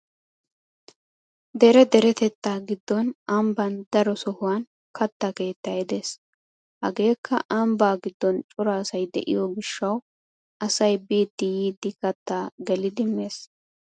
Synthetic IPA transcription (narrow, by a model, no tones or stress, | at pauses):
d̪ɛɾɛd̪ɛɾɛt̪ɛt̪ːaːɡɪd̪ːɔnʔɐmbɐnd̪ɐɾɔsɔhʊwaːn | kɐt̪ːake̞ːt̪ːɐɛd̪es | hɐ̰ɡe̞ːkːɐ̰ʔɐmbaːɡɪd̪ːɔnt͡ʃʼʊɾaːsɐjd̪ɛ̰ʔɪ̰jɔɡɪʃːɐw | ʔɐsɐjbiːd̪ːɪjiːd̪ːɪkɐt̪ːaːɡɛlɪd̪ɪme̞ːs